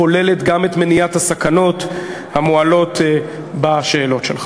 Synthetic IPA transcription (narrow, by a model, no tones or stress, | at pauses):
ole̞le̞tɡamet̪menijathasakano̞t | hamoalo̞t | baʃe̞ːlo̞tʃelχ